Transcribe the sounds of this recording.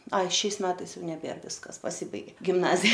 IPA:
ˈɐɪ ˈʃʲɛɪs ˈmʲæːtɐɪs ˈjɛʊ nʲɛˈbʲeːr ˈʋʲɪskɐs pɐˈsʲɪbɐɪɡʲeː ɡʲɪmˈnɑːzʲɪjɛ

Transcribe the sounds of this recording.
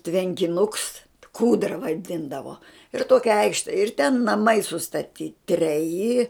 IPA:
tʲʋʲɛŋʲkʲɪˈnʊks ˈkuːdrɐ ʋɐˈdʲɪndɐʋoː ɪr ˈtoːkʲɛ ˈɐɪkʃʲtʲɛ ɪr tʲɛn nɐˈmɐɪ sʊstɐˈtʲiː tʲrʲɛˈjɪ

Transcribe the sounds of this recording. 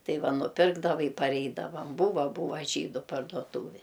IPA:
ˈtɐɪ ˈʋɐ nʊˈpʲɪrɡdɐʋɐ ɪ pɐrʲˈɛɪdɐʋɐm ˈbuːʋɐ ˈbʊʋɐ ˈʒʲiːdʊ pɐrduɔˈtuːʋʲeː

